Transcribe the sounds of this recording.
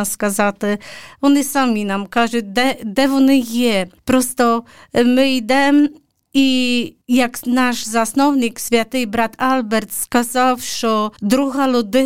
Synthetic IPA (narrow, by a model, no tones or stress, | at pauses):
askazat̪ɛɔnɨsamʲinamkaʐɛd̪ɛd̪ɛvɔnɨjɛpɾɔst̪ɔmɘid̪ɛm | ijaknaʐzasnɔwɲikɕfʲjat̪ɨbɾat̪albɛɾt̪skazawʂɔd̪ɾuɣalud̪ɪ